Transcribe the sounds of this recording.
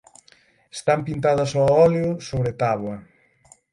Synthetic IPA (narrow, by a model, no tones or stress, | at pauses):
e̥st̪ampint̪aðɐsɔɔljʊsoβɾet̪aβwɐ